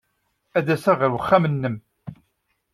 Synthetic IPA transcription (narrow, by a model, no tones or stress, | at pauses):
æðæsæʁəɾwəχːamənːəm